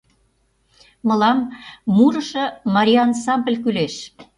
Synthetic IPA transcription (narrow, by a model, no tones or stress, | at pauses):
mɤ̆lɑmːuɾə̆ʃɤ̆mɑɾʲiɑnsɑmbəlʲk̬yleʃ